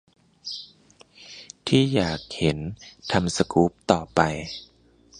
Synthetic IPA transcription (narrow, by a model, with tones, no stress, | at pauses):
t̪ʰiː˥˩jaː˨˩k̚he˩˦nt̪ʰa˧msa˧kuː˦˥p̚t̪ɔː˨˩pa˧j